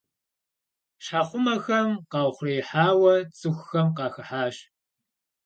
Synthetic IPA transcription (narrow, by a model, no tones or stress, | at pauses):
ɕħaːχʷʊmɐxɐmqɑːwχʷreːħaːwɐt͡sʼɨxʷxɐmqɑːxɨħaːɕ